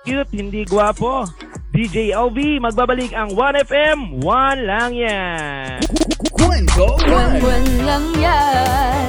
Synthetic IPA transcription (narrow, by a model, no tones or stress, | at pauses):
kɨt̪̚hɪnd̪iɡwaːpo | d̪id͡ʒɛjʔɛlvimɐɡ̚baːbɐlikɐŋwanɛfʔɛmwanlaŋja | kɛkwɛnlɐŋɲa